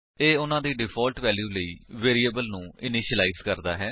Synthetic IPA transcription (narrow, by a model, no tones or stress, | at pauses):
eːʊnãːd̪iːɖɪpʰɔːlʈʋɛːljuːləiːʋeːɾiːəbəlnũːɪnɪʃəlaːiːzkəɾd̪a̰ːɦɛː